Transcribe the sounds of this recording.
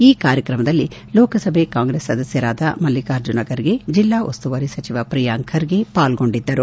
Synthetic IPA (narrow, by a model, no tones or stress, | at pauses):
iːkaːɾjɐkɾɐmɐd̪ɐlːilɔːkɐsɐbʱekaːŋɡɾeːsːɐd̪ɐsjɐɾaːd̪ɐmɐlːikaːɾd͡ʒunɐɡɐɾiɡe̞d͡ʒilːaːʔost̪uʋɐɾisɐt͡ʃiʋapɾijaːŋkʰɐɾiɡe̞paːlɡo̞ɳɖid̪ːɐɾu